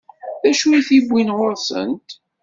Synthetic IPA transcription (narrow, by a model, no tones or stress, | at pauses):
ðæʃuiθibʷːinʁoɾsə̰nt̪